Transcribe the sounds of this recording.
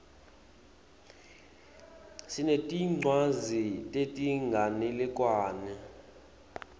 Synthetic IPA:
sinetʼiŋ͡ǀwazitʼetʼiŋɡʱanilɛk̬ʼwaːnɛ

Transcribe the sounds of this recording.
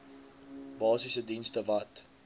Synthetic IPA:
bɑːsisədinstəvɐt

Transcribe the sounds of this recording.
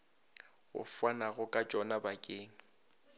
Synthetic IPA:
ɣʊ̰fwanaɣʊkʼat͡ʃʼɔnabakʼeːŋ̩

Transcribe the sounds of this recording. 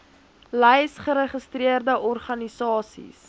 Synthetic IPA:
lɛjsχəɾəχəstriərdəʔɔrχɐnisɑːsḭs

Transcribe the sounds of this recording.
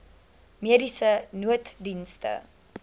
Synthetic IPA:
miədisənuətdinstə̰

